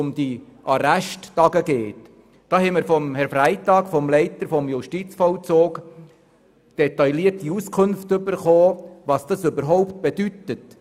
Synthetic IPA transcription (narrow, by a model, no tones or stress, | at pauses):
ʊmd̥iʔɑɾæʃtːɑɡəɡeːt | d̥ɑːhɛɪməɾfɔmhɛɾfɾæɪtɑːkfɔmlɛɪtəɾfɔmjʊʃtit͡sfɔlt͡soːɡ | d̥ɛtaɪliərtːiuskʰʊnftɵbəɾχoːvɑsd̥ɑsʏbəɾɦɔʊpt̚b̥ed̥ytət